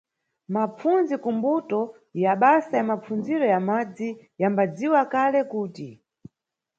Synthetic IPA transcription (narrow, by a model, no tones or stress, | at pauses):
map͡fund͡zikumbutɔ | jaɓasajamap͡fund͡ziɾɔjamad͡zijambad͡ziwakalɛkuːti